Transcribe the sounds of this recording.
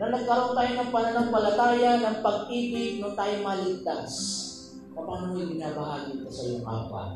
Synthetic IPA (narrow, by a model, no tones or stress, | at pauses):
nɐnɐɡ̚kɐɾont̪aːjonɐŋpɐnanaŋpɐlat̪aːjanɐŋpɐɡ̚t̪iːpɪnʊt̪aːjomalɪt̪as | kɐpanoid̪ɪŋabaɦaːnɪt̪osɐjoŋʔa̰ːpa̰